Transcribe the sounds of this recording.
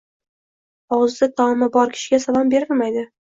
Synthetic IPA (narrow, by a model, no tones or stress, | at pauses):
ɒwzd̪ɪt̪ʰɒmɪbɒɾkʲʰɪ̥ʃɪɡʲasalˠɒmbe̞ɾɪlmajd̪ɪ